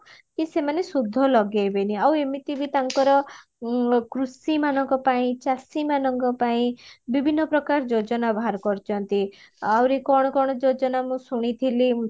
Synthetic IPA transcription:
kisemanesud̪ʱːɔlɔɡajbeniawemit̪ibit̪aŋkɔɾɔ | kɾusimanɔŋkɔpaĩt͡ʃasimanɔŋkɔpaĩbibʱinːɔpɾɔkaɾd͡ʒod͡ʒɔnabʱaɾkɔɾt͡ʃʰɔnt̪iawɾikɔɽ̃ɔkɔɽ̃ɔd͡ʒod͡ʒɔnamũsuɽ̃it̪ʰili

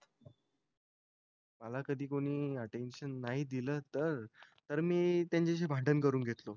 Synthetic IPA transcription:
t̪ | məlakəd̪ʱiːkoɽ̃iːəʈenɕənːaɦid̪iləːt̪əɾ | t̪əɾmiːt̪jãɲt͡ɕeɕ̬ebʱaʈənkəɾuːnɡʱet̪lo

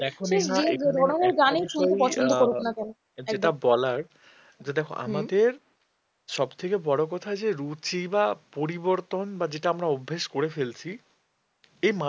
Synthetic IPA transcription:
d̪ɛkʰoieɾoɽaneɾɡanejʃund̪epɔt͡ɕʰond̪okoɾuknakɛno | eʈabɔlaɾ | d͡ʑd̪ɛkʰo̰ʔa̰mad̪eɾ | ʃɔbt̪ʰekebɔɽok̬ɔt̪ʰad͡ʑeɾut͡ɕibapoɾiboɾt̪onbad͡ʑeʈaamɾaobʱːeʃkoɾefelt͡ɕʰi | ejma

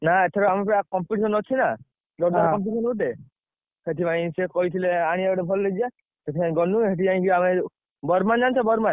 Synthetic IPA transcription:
naet̪ʰeɾɔamepɾakɔmpuʈsɔnɔt͡ʃʰina | d̪ɔɾd̪akɔmpuʈsɔnuuʈe | set̪ʰipãĩsekɔɦit̪ʰileaɽ̃ieɔɽebʱɔlled͡ʒia | set̪ipãĩɡɔnːuɦeʈ̬iãĩkiame | bɔɾmand͡ʒant͡ʃʰɔbɔɾman

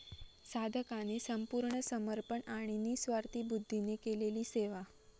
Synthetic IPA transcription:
sad̪ʱəkanisəmpuɾɳəsəməɾpəɳaɽ̃iniːsʋaɾt̪iːbud̪ʱːinekeleliːseʋa

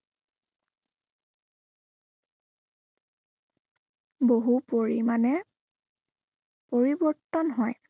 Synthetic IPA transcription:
boɦupoɹḭmanɛ | poɹibɔɹtɔnɦɔj

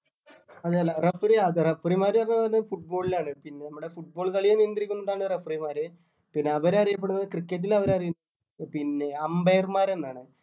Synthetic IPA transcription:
ɐðalːɐrefriɐðɨrefrimaːɾɐrnːɐɐnɐfuʈ̚bo̞ːɭilaːɳɨpinːe̞nɐmːuɽe̞fuʈ̚bo̞ːɭkɐɭijenijnd̪iɾikʲːunːɐðaːɳɨrefrimaːɾɨ | pinːe̞ɐʋɐɾɐrijɐp̬ːeɽunɐðɨkrikːet̬ːilɐʋɐɾɐrijunːɐ | pinːe̞ɐmbejrmaːɾe̞nːaːɳɨ

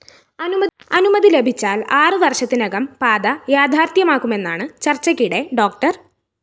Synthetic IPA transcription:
ɐnumɐɐnumɐðile̞bʱit͡ɕːaːlaːrɨʋɐrɕɐt̪ːinɐɡɐmpaːd̪ɐjaːd̪ʱaːrt̪jɐmaːkːume̞nːaːɳɨt͡ɕɐrt͡ɕːɐkʲːiɽeɖo̞ːk̚ʈɐr

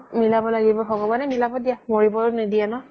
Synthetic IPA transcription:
milabɔlaɡibɔxɔɡɔbanɛmilabɔdijamoɹibɔɹnidianɔ

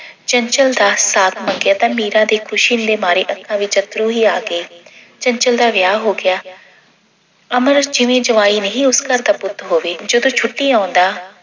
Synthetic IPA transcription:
t͡ʃəɲt͡ʃəld̪aːsaːt̪ʰməŋɡɪjaːt̪ãːmiːɾãːd̪eːkʰʊʃind̪eːmaːɾeːʔəkʰãːʋɪt͡ʃət̪ɾũːɦiːaːɡeː | t͡ʃəɲt͡ʃəld̪aːʋjaːɦoːɡɪjaː | əməɾd͡ʒɪʋẽːd͡ʒəʋaːiːnəɦĩːʊskəɾd̪aːpʊt̪ʰɦoːʋeːd͡ʒəd̪õːt͡ʃʰʊʈːiːãːʊnd̪aː

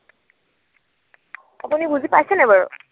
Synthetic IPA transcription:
apunibuzipajsɛnɛbaɹɔ̰

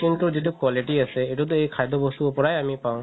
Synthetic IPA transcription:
kint̪ud͡ʑeʈukwɔliʈiasʰeeʈut̪̬oejkʰajd̪obost̪uopɔɾajamipaw̃

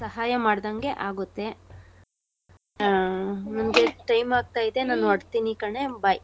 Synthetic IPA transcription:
sɐɦaːjɐmaːɽd̪ɐŋɡe̞ʔaːɡut̪ːe̞ | mɐnɡeʈɐjmaːɡ̚t̪aːjid̪e̞naːnuɐɽt̪inikɐɳe̞bɐj

